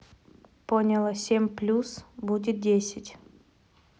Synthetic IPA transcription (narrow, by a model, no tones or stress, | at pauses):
ponʲɪlˠəsʲemʲplʲusbudʲɪt̪̚dʲesʲɪtʲ